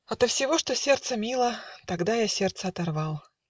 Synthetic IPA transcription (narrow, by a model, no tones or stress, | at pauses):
ɐt̪əfsʲɪvo̞ʂt̪osʲe̞rt̪səmʲilˠət̪ɐɡd̪ajasʲert̪səɐt̪ɐrvɑlˠ